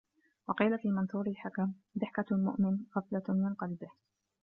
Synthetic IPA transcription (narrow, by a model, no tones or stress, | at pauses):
wɑqiːlafiːmɑnθuːɾɪlħakamd̪ɪħkamʊ̰ʔmɪnɣɑflamɪnqɑlbɪh